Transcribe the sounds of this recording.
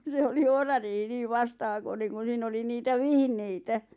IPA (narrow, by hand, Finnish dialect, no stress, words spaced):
se oli ohrɑriːhi niː ʋɑstɑhɑkoneŋ kun̞ siːn oli niːtæ ʋihneitæ